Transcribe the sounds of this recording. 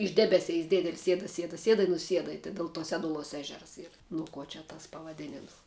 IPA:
ɪʃ ˈdʲæːbʲɛˌsʲɛɪs ˈdʲeːdʲɛlʲ ˈsʲiɛdɐ ˈsʲiɛdɐ ˈsʲiɛdɐ ɪ nʊˈsʲiɛdɐ ɪ tɐɪ dʲɛlˠ ˈtuɔ ˈsʲæːdʊˌlˠuɔs ˈæːʒʲɛrs ˈiːr ˈnʊ ˌkuɔ t͡ʃʲɛ ˈtɐs pɐʋɐˈdʲeːnʲɪms

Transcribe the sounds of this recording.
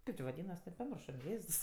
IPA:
ˈkɐɪp t͡ʃʲɪ ʋɐˈdʲiːnɐs pɐˈmʲɪrʃoː ˈjeːss

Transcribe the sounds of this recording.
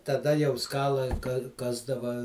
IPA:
tɐˈdɐ jɛʊ ˈskɑːlˠɐɪ ˈkɑːzdɐʋɐ

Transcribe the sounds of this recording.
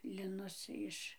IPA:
lʲɪˈnʊs ˈɪʃ

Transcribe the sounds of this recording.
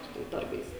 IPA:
ˈsʊ tɐɪs ˈdɐrbɐɪs

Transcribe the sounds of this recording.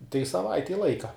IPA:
tɐɪ sɐˈʋɐɪtʲɛɪ ˈlˠɐɪkɐ

